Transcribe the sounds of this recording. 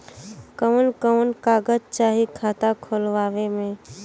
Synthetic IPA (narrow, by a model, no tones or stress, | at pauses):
kəʋnkəʋnkaːɡəd͡ʒt͡ʃaːɦikʰaːt̪akʰolʋaːʋemẽː